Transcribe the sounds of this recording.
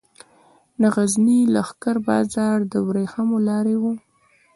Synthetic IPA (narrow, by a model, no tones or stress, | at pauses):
naɣaznilaxkaɾbɑ̰zɑɾd̪əwɾexamolɑɾewu